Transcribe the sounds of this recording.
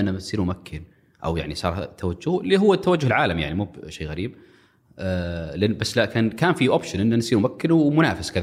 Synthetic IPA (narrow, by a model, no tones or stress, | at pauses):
ʔanːaɪsiːɾmʊmakʰːɪn | ʔa̰wja̰ʕnisˤɑ̰ːɾˤt̪ʰːawad͡ʒːʊhliːɦʊwːat̪ːawad͡ʒːʊhɪlʕaːlamjaʕnimuːbʃeːɣaɾiːb̚ | lʔɪnːbasːlakaːnkaːnfiʔoːpʃɪnʔɪnːansiːɾmʊmakːɪnwmʊnaːfɪskað